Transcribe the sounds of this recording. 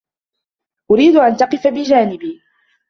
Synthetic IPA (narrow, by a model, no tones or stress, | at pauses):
ʔʊɾiːd̪ʊʔant̪ɑqɨfabɪd͡ʒaːnɪbiː